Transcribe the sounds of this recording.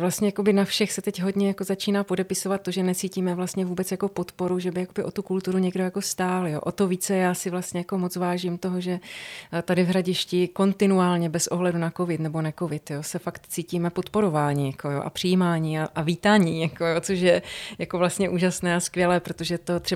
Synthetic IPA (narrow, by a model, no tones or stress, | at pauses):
vlast̪ɲɛjako̞bɪnafʃɛxsɛt̪ɛcɦo̞dɲɛjakozat͡ʃiːnaːpo̞dɛpɪso̞vat̪ːo̞ʒɛnɛt͡siːciːmɛvlast̪ɲɛvuːbɛt͡sjako̞po̞t̪po̞ɾuʒɛbɪjakobɪʔo̞t̪ukult̪uɾuɲɛɡdojako̞st̪aːljoːʔot̪oviːt͡sɛjaːsɪvlast̪ɲɛjako̞mot͡svaːʒimt̪o̞ɦoʒɛt̪adɪvɦɾaɟɪʃcɪko̞nt̪ɪnuaːlɲɛbɛsʔoɦlɛdunako̞vɪt̪nɛbo̞nɛko̞vɪt̪josɛfakt̪t͡siːciːmɛpot̪po̞ɾo̞vaːɲiːjako̞jo̰ːʔa̰pr̥ɪjimaːɲiːaʔaviːt̪aːɲiːjakojot͡soʃjɛjako̞vlast̪ɲɛʔuːʒasnɛːaskvjɛlɛːpɾot̪o̞ʒɛt̪o̞t̪r̥ɛ